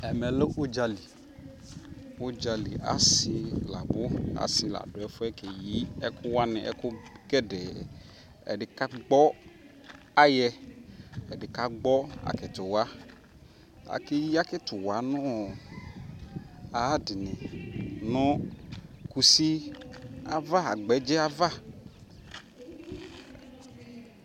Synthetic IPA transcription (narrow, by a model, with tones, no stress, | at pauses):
ɛ˨mɛ˨lɪ˦ʔʊ˦d͡ʒa˧li˨ | ʊ˦d͡ʒa˨lḭ˨a̰˨sɪ˦la˨bʊ˦a̰˨sɪ˦la̰˨dʊ˨ɛ˨fʊ˦ɛ˦ke˨ji˨˦ɛ˦kʰʊ˦wa˦nɪ˨ʔɛ̰˦kʊ˦ɡɛ˦dɛ˨ | ɛ̰˨dɪ˨ka˦ɡ͡bɔ˦ | a˦jɛ˧ | ɛ˨dɪ˨ka˦ɡ͡bɔ˦a̰˨kɪ˨tʊ˨wa˦ | a̰˨kɪ˦ji˦a˦kɪ˦tʊ˨wa˨˦nʊ̃˦˨ | a˨˦dɪ˨nɪ˨nʊ̃˦ | ku˨si˦ | a˨va˦a˨ɡ͡bɛ˨˦d͡ʒɛ˦a˦va˦